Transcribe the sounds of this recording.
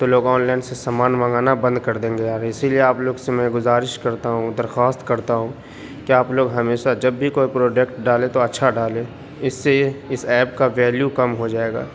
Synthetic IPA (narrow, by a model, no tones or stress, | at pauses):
t̪oloːɡɔːnlaːɪnsesaːmaːnmə̃ŋɡaːnabɐ̃nd̪̚kɐɾd̪ẽːŋɡejaːɾɪsilieaːploːɡsemɛ̃ɡʊzaːɾɪʃkɐɾt̪aɦũd̪ɐɾxaːst̪kɐɾt̪aɦũ | kiaːploːɡɦɐmeːʃad͡ʒɐbːikoːipɾoːd͡ʒekʈɖaːlet̪oɐtːʃʰaɖaːleː | ɪsːeɪsɛːpkaʋɛːljukɐmɦod͡ʒaːeːɡa̰ː